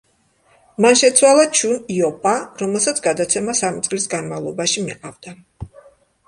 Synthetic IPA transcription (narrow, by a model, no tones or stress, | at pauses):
manʃɛt̪sʰwalˠat͡ʃʰuniɔpʼaɾɔmɛlˠsat̪sʰɡad̪at̪sʰɛmasamit̪sʼlisɡanmavlˠɔbaʃimḭqʼavd̪̥a